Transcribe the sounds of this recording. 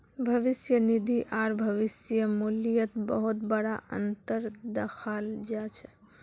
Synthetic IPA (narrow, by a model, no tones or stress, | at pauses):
bʱəʋisjənid̪ʱiʔaɾbʱəʋisjəmuljət̪bəɦut̪bəɽaʔə̰nt̪əɾd̪əkʰald͡ʒat͡ʃʰ